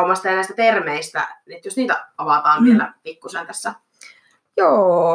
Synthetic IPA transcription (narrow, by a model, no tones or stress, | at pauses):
umɑst̪ɑjɑnæˑist̪æpermeist̪æ̰net̪josniːt̪æɑʋɑt̪ɑːnʋielæ̰pikːusent̪æsːæ | joː